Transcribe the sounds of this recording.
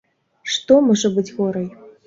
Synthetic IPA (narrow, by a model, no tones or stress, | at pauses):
ʂt̪ɔmɔʐɐbɨt͡sʲɣɔɾɐj